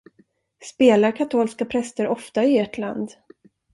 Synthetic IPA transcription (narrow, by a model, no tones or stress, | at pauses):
speːlaɾkʰat̪ʰoːlskapʰɾɛst̪əɾɔft̪aɪeːʈʰla̰nd̪